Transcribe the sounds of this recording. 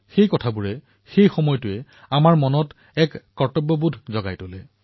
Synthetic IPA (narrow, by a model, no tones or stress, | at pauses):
xejkɔtʰabuɹɛ | xejxɔmɔjɔtʊɛ | amaɹmɔnɔt | ɛkːɔɹtɔbɔbudʱzɔɡa̰jtolɛ